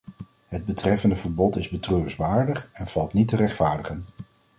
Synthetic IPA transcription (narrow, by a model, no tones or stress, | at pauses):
ɦəd̚bətrɛfəndəvəɹbɔtɪzbətrøːsʋaːɹdəχɛnv̥ɑlˠtnitərɛχtfaːɹdəχən